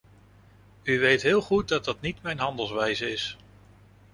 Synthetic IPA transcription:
yʋejtɦɪːlˠχut̚dɑd̚dɑtnitmɛjnɦɑndəlˠsʋɛjzəɪs

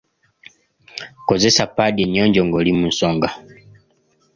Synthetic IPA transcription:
kɔzɛsapadɛɲɔɲd͡ʒɔŋɡɔlimun̩sɔŋɡa

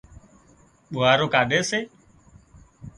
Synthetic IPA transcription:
ɓʊːaːɾoːkaːɗʱeːseː

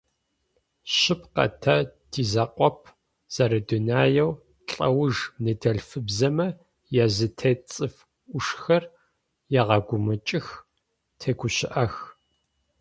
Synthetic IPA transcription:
ɕɪpqɐ̰tʰɐtʰiːzɐqʷʼɔp̚ʰ | z̥ɐɾɐdʊnaːjɛw | ɬʼɐ̰wʊʐnɨdʰɐɮfɨbzɐmɐ | jɛzɨtʰet͡sʼɨfʷ | ʊʂxɐr | jɛʁɐɡʷʊmɨt͡ʃʼɪx | tʰeːkʷʰʊɕɪʔɐx

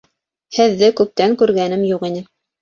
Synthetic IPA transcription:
hɘ̆ðːɘkʉp̚t̪æŋkʉɾɣɡænɘmjuqinɘ

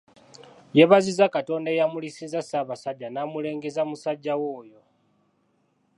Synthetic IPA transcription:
je̞βazizakato̞ndajamulisizasaβasaɟːanaːmule̞ːŋɡezamusaɟːawo̞ːjo̞

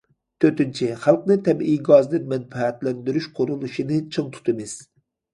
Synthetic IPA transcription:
t̪ʰøt̪ynt͡ʃʰiχælˠqnɨt̪ʰɛmijɡɑzd̪ɨnmɛnfɛɛt̪lɛnd̪yɾyʃqʰoɾulˠuʃinɨt͡ʃʰɨŋt̪ʰu̥t̪ʰɨmɪz̥

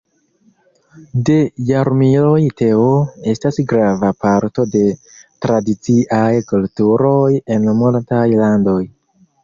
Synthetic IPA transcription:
de̞jaɾmilo̞jte̞oe̞stasɡɾavapaɾto̞de̞ | tɾadit͡siʔajkultuɾo̞je̞nmultajlando̞j

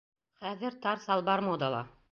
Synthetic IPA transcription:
χæðɘɾt̪ɑɾsɑlˠbɑɾmod̪ɑlˠɑ

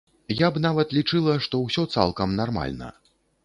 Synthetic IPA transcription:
jabnavɐt̪lʲit͡ʂɨlˠɐʂt̪ɔwsʲɔt̪sa̰lˠkɐmnarma̰lʲnɐ̰

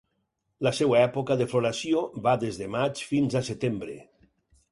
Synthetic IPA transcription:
lasɛwaɛpokaðefloɾasjioβad̪ezðemat͡ʃfinzaset̪embɾḛ

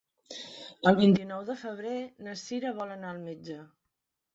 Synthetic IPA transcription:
əlˠβint̪inɔwðəfəβ̞ɾenəsiɾəβɔlənaəlˠmed͡ʒə

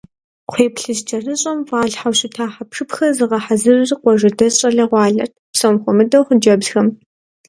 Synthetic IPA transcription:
qʷʰeːpɬɨzt͡ʃʼɐrɨɕʼɐmvaːɮħawɕɪtʰaːħapʂɨpxɐrzɨʁɐħazɨrrqʷɔʒɐdɐɕʼɐɮɐʁʷɑːɮɐ̰rtʰpsomχʷʊmɨdɐwχd͡ʒɐbzxɐm

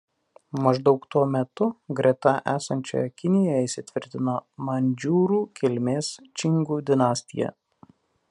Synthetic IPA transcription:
mɐʒd̪ɒʊkt̪uɔmʲɛt̪ʊɡɾʲɛt̪ɐʔæːsɐnʲt͡ʃʲo̰jɛkʲɪnʲɪjɔjɛɪsʲɪt̪ʲʋʲɪɾʲt̪ʲɪnomɐnʲd͡ʒʲuːɾuːkʲɪlʲmʲeːst͡ʃʲɪŋɡuːd̪ʲɪnɑːsʲt̪ʲɪjɛ̰

